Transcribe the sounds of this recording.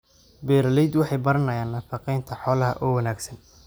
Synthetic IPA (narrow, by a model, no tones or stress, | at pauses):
bɛːɾɐlɛjd̪wɑħɑjbɐɾɐnɐjaːnːɐfɑqɛjnt̪ʰɐħɔːlɐɦɐ̰ʔɔːwɐnaːɡsɐn